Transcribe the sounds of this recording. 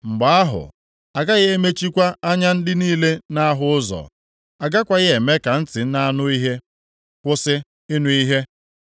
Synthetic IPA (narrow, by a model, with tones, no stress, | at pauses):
ŋ͡m̩˨ɡ͡ba˨a˦ɦʊ̰˨ | a˨ɡa˦ɣɪ˦e˦me˦t͡ʃi˦kʷa˦a˦ɲa˦n̩˦dɪ˦niː˦le˦na˦ɦʊ˦ʊ˦zɔ̰˨ | a˨ɡa˦kʷa˦ɣɪ˦e˨me˦ka˨n̩˦tɪ˨n̩˦na˦nʊ˦i˦ɦe˦ | kʷʊ˦sɪ˦ | ɪ˦nu˨˦i˦ɦe˦